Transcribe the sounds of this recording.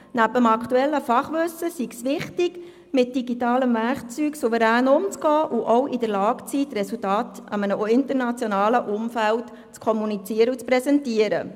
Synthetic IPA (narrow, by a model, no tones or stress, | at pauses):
næbəmɑkʰtuɛlːəfɑχʋɵsːəsiɡsʋɪχtɪɡ | mɪt̚d̥iɡitɑːləmʋæɾχt͡syːksuvəɾæːnʊmt͡sɡɔːʔuʔɔwʔidəɾlɑːkt͡siːtːrɛsultɑːtɑmənəɪntəɾnɑt͡sjɔnɑːləʔʊmfælt | t͡skʰɔmunit͡siəɾəut͡spɾɛsɛntiəɾə̰